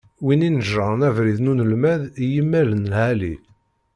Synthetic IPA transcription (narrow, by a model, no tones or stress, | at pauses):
wininəʒːənævɾiðnunəlmæðjəmːælənlʕæli